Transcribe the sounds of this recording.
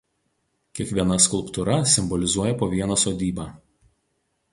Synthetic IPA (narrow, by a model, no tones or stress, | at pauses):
kʲiɛkʋʲiɛnɐskʊlˠpt̪ʊɾɐsʲɪmbɔlʲɪzuɔjɛpoːʋʲiɛnɐsoːd̪ʲiːbɑː